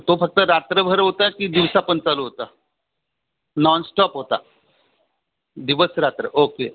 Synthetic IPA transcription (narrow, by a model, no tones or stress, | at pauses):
t̪ofək̚t̪əɾat̪ɾəbʱəɾɦot̪akid̪iʋsapənt͡saluɦot̪a | nɔnsʈɔpɦot̪a̰ | d̪iʋəsɾat̪ɾəʔoke